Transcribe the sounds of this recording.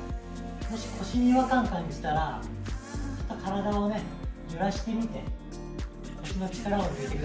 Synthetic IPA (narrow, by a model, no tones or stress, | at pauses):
mo̞ɕi̥kʰo̞ɕiɲ̟iβakãŋkãɲ̟ːiɕi̥t̪aɾa | t͡ɕo̥t̪ːokʰaɾad̪ao̞ne̞jɯɾaɕi̥t̪e̞mʲit̪e̞ | ko̞ɕino̞t͡ɕi̥kaɾaoɯet̪ek